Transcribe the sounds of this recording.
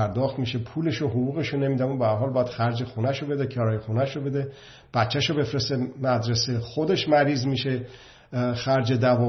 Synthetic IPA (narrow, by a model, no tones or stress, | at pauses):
æɾd̪ɒːxt̪miʃe̞pʰuːle̞ʃoɦovuːɣe̞ʃone̞miːd̪æmobehæɾɦɒːlbɒːjæd̪̥xæɾd͡ʒexunæʃobe̞d̪ecʰɒɾɒːjexunæʃobe̞d̪e | b̥æt̪t͡ʃʰːæʃobe̞fɾest̪emæd̪ɾesexod̪e̞ʃmæɾiːzmiːʃe | xæɾd͡ʒed̪ævɒ